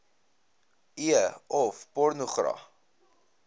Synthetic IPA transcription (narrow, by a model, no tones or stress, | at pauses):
iəɔfpɔrnuχrɐ̰